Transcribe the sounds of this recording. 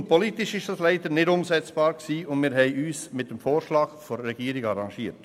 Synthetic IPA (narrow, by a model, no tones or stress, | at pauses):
ntpʰɔlitɪʃɪʃd̥ɑslæɪdəɾnɪdʊmsɛt͡sb̥ɑːɾksiːʊndmɪːɾɦɛɪyːsmɪt̚d̥emfoːɾʃlɑːɡ̥fɔɾːɛɡiːɾɪɡɑɾɑŋʃiːt